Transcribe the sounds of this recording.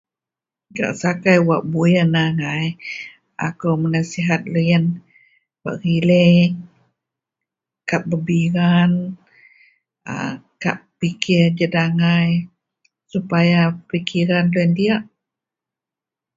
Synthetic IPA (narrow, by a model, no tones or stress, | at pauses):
ɡa̰ʔsakajwaʔ̚bujənaŋaj | a̰kawmənasiɦat̪̚lujən | wa̰ʔɣile | kap̚bəbiɾan | ə̰kappikʰird͡ʒədaŋaj | supajapikʰiɾanloəndiaʔ